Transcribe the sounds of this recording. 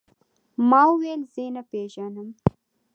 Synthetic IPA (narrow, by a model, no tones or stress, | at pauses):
mɑuwelzenapeʒanəm